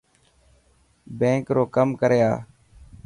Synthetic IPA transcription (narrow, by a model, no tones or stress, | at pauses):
bẽːkɾoːkəmkəɾja̰ː